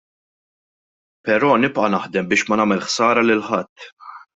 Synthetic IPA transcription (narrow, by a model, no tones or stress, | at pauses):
pɛɾɔːnɪpʔɐnɐħd̪ɛmbɪːʃmɐnɐːmɛlħsɐːɾɐlɪlħɐt̪ː